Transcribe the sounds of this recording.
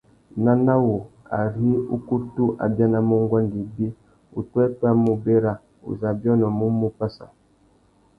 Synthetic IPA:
na˦na˦wo˨a̰˨ɾi˦u˦ku˦tu˦ʔa̰˨ba˦na˨mu˦ŋ˦ɡwa˦ndi˨bi˦ | ṵ˨tɛ˦pa˦˨mu˨be˦ɾa˦ | ṵ˨za˨bjɔ˦nɔ˨mu˦mu˦pa˦sa˨

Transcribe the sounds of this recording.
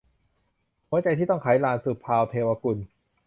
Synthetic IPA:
hu˧˦ət͡ɕa˧jt̪ʰiː˥˩t̪ɔ˥˩ŋkʰaː˩˦jlaː˧˩nsɯː˨˩pʰːaː˧wt̪ʰeː˧waː˧ku˧n

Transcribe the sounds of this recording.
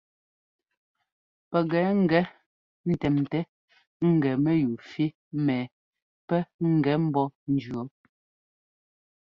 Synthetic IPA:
pɛ˨ɣɛː˨˦ŋ̩˦˨ɡɛ˨˦ | n̩˨tɛ˨mtɛ˦ | ŋ̩˨ɡɛ˨mɛ˦ju˨fi˦ | mɛː˨ | pɛ˦ŋ̩˨ɡɛ˨˦m̩˦bɔ˦n̩˦d͡ʒɰɔ˨˦

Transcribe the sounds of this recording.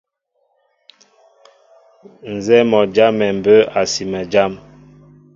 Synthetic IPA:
n˨zɛ˦mɔ˨d͡ʒa˦mːɛ˨m̩˨bə˦a˨si˨mə˨d͡ʒa˦m

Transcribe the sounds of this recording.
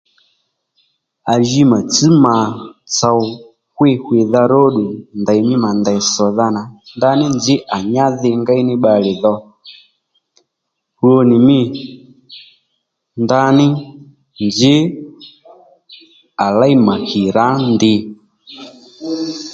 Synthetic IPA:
a˨ʒi˦ma˨t͡si˦ma˨t͡sa˨w | xwɪ˦xwɪ˨ða˧ɾɔ˦ɗu˨nda˨jmɪ˦ma˨nda˨i˨sɔ˨ða˧na˨nda˧˦nɪ˦nd͡ʒɪ˦ʔa˨ɲa˦ðɪ˧ŋɡa˦i˦nɪ˦ɓa˧lɪ˨ðɔ˧ | u˦o˧nɪ˨mɪ˦ | nda˧nɪ˦ | nd͡ʒɪ˦ | a˨la˦i˦ma˨ki˨ɾa˨˦ndɪ˧

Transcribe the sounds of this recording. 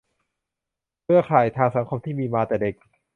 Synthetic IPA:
kʰɯ˥˩ɐkʰaː˨˩jt̪ʰaː˧ŋsa˩˦ŋkʰo˧mt̪ʰiː˥˩miː˧maː˧t̪ɛː˨˩de˨˩k̚

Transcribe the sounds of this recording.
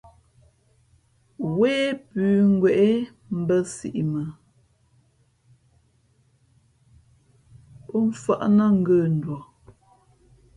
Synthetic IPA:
weː˦pʉː˨˦ŋ̩˦ɡwɛ˨ʔe˦ | m̩˦bə˦sḭ˨ʔi˨mə˨ | pɔ˦ɱ̩˦fa˦ʔnə˦˨ŋ̩˦ɡə˦˨n̩˨dwɔ˨

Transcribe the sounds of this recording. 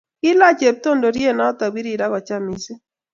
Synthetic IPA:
ɪ˦la˦t͡ʃe˨p̚to˦ndo˨ɾje˦˨na˦ta˨wi˦ɾi˦˨da˦ɣɔ˨t͡ʃa˦mi˨si˦

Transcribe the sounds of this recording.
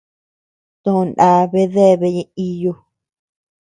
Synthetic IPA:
t̪õ˦˧nʔa˨˦βe˦ðe˦˨βe˧˦ɲĩ˧i˧jo˧

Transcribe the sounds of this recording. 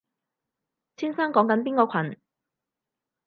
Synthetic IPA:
t͡sʰiː˥nsaː˥ŋkɔː˨˥ŋkɐ˨˥npiː˥nkɔː˧kʰɐ˨˩n

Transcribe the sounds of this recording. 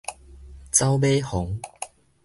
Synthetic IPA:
t͡sa˦wbe˦hɔ˨˦ŋ

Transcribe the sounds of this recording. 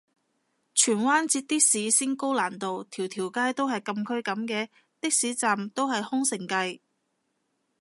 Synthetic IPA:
t͡ʃʰyː˨˩nwaː˥nt͡siː˧t̚t̪ɪ˥k̚siː˨˥siː˥nko˥wlaː˨˩nt̪o˨wt̪ʰiː˨˩wt̪ʰiː˨˩wkaː˥jt̪o˥whɐ˨jkɐ˧mkʰɵ˥ɥkɐ˨˥mkɛː˧ | t̪ɪ˥k̚siː˨˥t͡saː˨mt̪o˥whɐ˨jhʊ˥ŋsɪ˨˩ŋkɐ˧j

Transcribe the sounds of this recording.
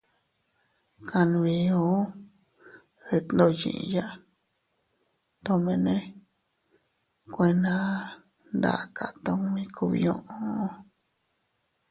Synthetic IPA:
kʰa˧ñ˧βi˧o˦ | ðe˧t̪no˧jḭ̃˧ʔja˦ | t̪o˧mẽ˧nẽ˦ | kʷe˧nã˦ | nd̪a̰˨˧kʰa˧˨t̪o˧ŋmĩ˧kʰu˧βḭ˧ɲõ˧ʔõ˦

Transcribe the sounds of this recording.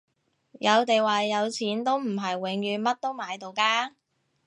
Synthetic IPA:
jɐ˨˧wt̪e˨jwaː˨jɐ˨˧wt͡sʰiː˨˥nt̪o˥wm̩˨˩ɦɐ˨˩jwɪ˨˧˥ŋjyː˨˧nmɐ˥t̚t̪o˥wmaː˨˧jt̪o˨wkaː˥

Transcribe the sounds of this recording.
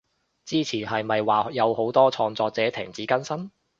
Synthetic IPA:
t͡siː˥t͡sʰiː˨˩ɦɐ˨jmɐ˨jwaː˨jɐ˨˧who˨˥wt̪ɔː˥t͡ʃʰɔː˧ŋt͡sɔː˧k̚t͡sɛː˨˥t̪ʰɪ̰˨˩ŋt͡siː˨˥kɐ˥nsɐ˥n

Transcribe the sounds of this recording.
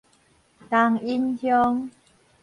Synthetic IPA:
t̪a˧ŋi˦˥nhjɔ˦˧ŋ

